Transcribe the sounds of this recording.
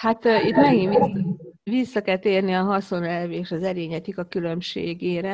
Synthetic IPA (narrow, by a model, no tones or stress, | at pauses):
hat̪it̪mɛɡin | ʋisːɒkɛlt̪eːrniɒɦɒso̞nɛlveːʃɒzɛɾeːɲɛt̪ikɒkylø̞mʃḛːɡeːɾɛ